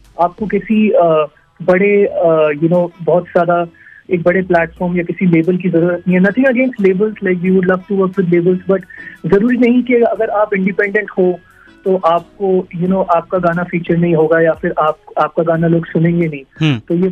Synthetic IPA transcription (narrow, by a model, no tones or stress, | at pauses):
aːp̚kokɛsiəː | bɐɽejunoːbɔɦɔt̪z̥jaːd̪aeːk̚bɐɽeplæːʈfɔːɾmjakɪsileːbəlk̬izɐɾuːɾət̪niɦɛnɐt̪ʰɪ̃ŋɡɐɡẽːnsʈleːbəlzlaɪkwiːʋʊɖlɐʋʈuʋəɾkwɪd̪leːbəlzbɐʈzɐɾuːɾinɐɦĩkiɐɡəɾaːpɪ̃ɳɖɪpɛ̃ɳɖə̃ɳʈho | t̪oʔaːp̚kojunoːʔaːp̚kaɡaːnafiːt͡ʃəɾnɐɦĩɦoːɡajafɪɾʔaːp̚aːp̚kaɡaːnaloːɡsʊnẽːŋɡenɐɦĩt̪oːje